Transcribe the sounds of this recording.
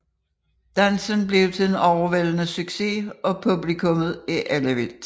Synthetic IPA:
d̥ænsənb̥le̝ʊt͡sʰe̝d̥enɒʊɐʋel̰nəsyɡ̥se̝ɒ̽pʰub̥likʰɔ̽mð̩ˠiʔæləʋel̥

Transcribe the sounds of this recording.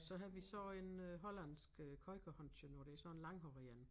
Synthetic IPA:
sɒ̽ɦæðˠʋisɒ̽enøɦɒ̽læn̰sɡ̥økʰɒ̽ɪkʰæhɒnɕənoɾ̥e̝ɐsɒ̽enlɑ̈ŋɦɒʁiæn

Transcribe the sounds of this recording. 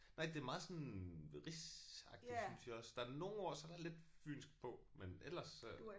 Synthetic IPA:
nɑ̈ɪ̰d̥e̝æmɑ̈ːð̩ˠsɔ̽nʁisɑ̈ɡ̥dd̥i̥snsiɒ̽sd̥ɑ̈æɐno̝ːn̩ɒɐ̰sɒd̥ɑ̈æɐle̝d̥fy̰ːnsɡ̥pʰɒ̽menel̰ɐs

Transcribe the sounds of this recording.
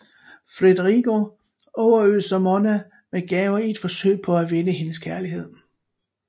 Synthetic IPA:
fʁed̥əʁiɡ̥o̝ | ɒʊɐøsɐmɒnæ | meɡ̥ɛːʊɐie̝d̥fɒ̽sø̰ɪ̰pʰɒ̽æʋenəɦe̝nəskʰæɐliɦe̝ð̞̰ˠ

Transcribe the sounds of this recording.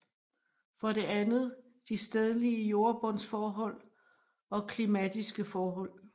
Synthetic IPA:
fɒ̽ɾe̝ænð̩ˠ | d̥isd̥ɛð̞ˠəliəjo̝ɐb̥ɔ̽nsfɒːɦɒ̽l̰ | ɒ̽kʰlimæd̥isɡ̥əfɒːɦɒ̽l̰

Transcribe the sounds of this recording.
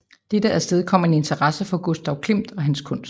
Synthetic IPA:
d̥ed̥əæsd̥eð̞ˠkʰɒ̽m̰ɐe̝ne̝nt͡sʰɐʁɑ̈səfɒ̽ɡ̥osd̥ɑʊkʰlem̰d̥ɒ̽ɦænskʰɔ̽n̰sd̥

